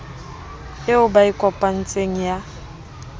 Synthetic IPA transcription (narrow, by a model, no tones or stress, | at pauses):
eʊbaikʼɔpʼan̩t͡sʼeŋ̩ja